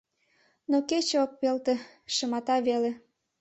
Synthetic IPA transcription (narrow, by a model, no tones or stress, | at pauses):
noket͡ɕoppelt̪ĕ | ʃə̆mɑt̪ɑβele